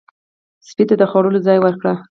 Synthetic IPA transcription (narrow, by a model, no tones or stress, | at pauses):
spit̪ad̪əxɑɽəlod͡zɑjwəɾkɽa